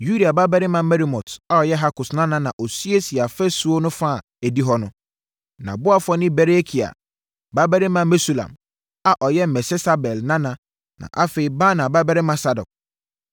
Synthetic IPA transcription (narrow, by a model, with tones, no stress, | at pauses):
ju˦di˨a˨ba˦bɛ˦ɾɪ˦mã˨mɛ˦ɾi˦mɔ̃˨ta˦ɔ˨jɛ˦ɦa˦kʊ˨snã˦nã˨nã˨ʔɔ˨sɥe˦si˨a˨fɛ˦su˦o˦nʊ̃˦fa˦˨ | æ˨di˦ɦɔ˦nʊ̃˦ | nã̰˨bʊ˦a˦fɔ˦nɪ̃˦bɛ˨ɾe˦kʰi˨a̰˨ | ba˦bɛ˦ɾɪ˦mã˦mɛ˦su˨lã̰˨m | a˨ʔɔ˨jɛ˦m̩˨mɛ˨sɛ˦sa˦bɛ˨lnã˦nã˨ | nã̰˨ʔa˦fe˨i˦baː˦nã˨ba˦bɛ˦ɾɪ˦mã˦sa˦dɔ̰˨k̚